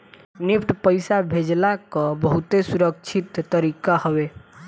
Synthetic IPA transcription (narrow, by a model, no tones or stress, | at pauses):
nipʰʈpəjsabʱed͡ʒlakə̃bəɦut̪esuɾəkt͡ʃʰit̪ːəɾikahəʋe